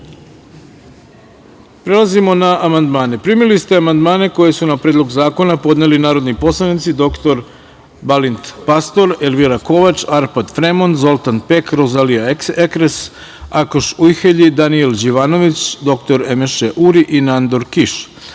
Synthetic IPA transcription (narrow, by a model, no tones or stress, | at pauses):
pɾelˠazimo̞naʔamand̪maːne̞pɾimilist̪eamand̪maːne̞ko̞je̞sunapɾeːd̪lˠo̞ɡzaːko̞napo̞d̪nelinaːɾo̞d̪nipo̞slˠanit̪sid̪o̞kt̪o̞ɾ | balint̪past̪o̞ɾelʋiɾako̞ʋat͡ʃaɾpad̪fɾemo̞nzo̞lˠt̪anpekɾozaliaeekɾes | akoʃujxeʎid̪anield͡ʑiʋaːno̞ʋit͡ɕd̪o̞kt̪o̞ɾe̞meʃeʔuɾiʔinand̪o̞ɾkiʃ